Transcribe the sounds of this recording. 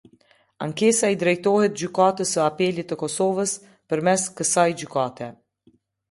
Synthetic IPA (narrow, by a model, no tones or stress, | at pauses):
a̰ŋkɛsaid̪ɾɛjt̪ɔhɛt̪̚d͡ʑykat̪əsəapɛlit̪əkɔsɔvəs | pəɾmɛskəsajd͡ʑykat̪ɛ